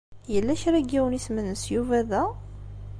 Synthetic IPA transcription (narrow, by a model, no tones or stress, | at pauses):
jəlːæʃɾæɡiwənismənəsjuvæðæ